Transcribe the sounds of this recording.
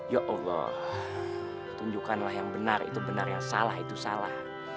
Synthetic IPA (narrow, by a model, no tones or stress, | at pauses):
jaʔɔlːɔ̰ | t̪uɲd͡ʒukanlahjaŋbənarḭt̪ubənarjaŋsa̰lahit̪usalah